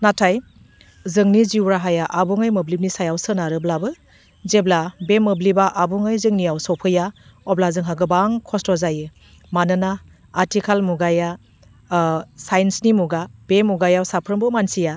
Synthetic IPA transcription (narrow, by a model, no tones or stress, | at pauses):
natʰaj | zɯŋniziwɾaɦajaʔabuŋɯjmɯblip̚nisajawsɯnaɾɯblabɯ | zeblabemɯblibaʔabuŋɯjzɯŋnijawsɔwpʰɯjaɔblazɯŋɦaɡɯbaŋkʰɔstɔzajɯ | manɯnaː | ɾtʰikʰalmuɡaja | sajnsnimuɡab̥emuɡajawsapʰɾɯmbɯmansija